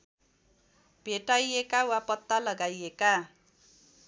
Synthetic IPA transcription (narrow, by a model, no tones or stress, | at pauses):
b̥ʱeʈajekawapʌt̪ːalʌɡajeka